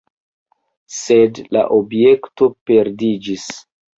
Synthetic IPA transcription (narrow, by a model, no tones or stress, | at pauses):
sedla̰ʔobje̞kto̞pe̞ɾdid͡ʒis